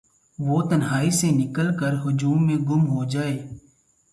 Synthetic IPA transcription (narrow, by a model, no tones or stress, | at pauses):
ʋoːt̪ənɦaːisenɪkəlkəɾɦʊd͡ʒuːmːẽɡʊmɦod͡ʒaːeː